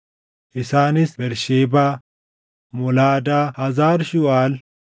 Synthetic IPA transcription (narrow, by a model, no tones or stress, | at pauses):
ʔɪsaːnɪsbɛɾʃeːbaː | mɔlaːd̪aːhɐzaːɾʃʊwaːl